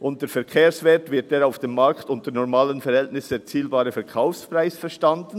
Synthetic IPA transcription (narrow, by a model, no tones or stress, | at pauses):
ʔʊnt̚dəfɛɐkʰeːɐsvɛːtvɪɐt̚d̥eːɾaʊfd̥emːaɾktʊntənɔʁmaːlənfɛɾhɛltnɪsət͡siːlbaːɾəfɛɐʁkʰaʊfspraɪsfɛʁʃtandn̩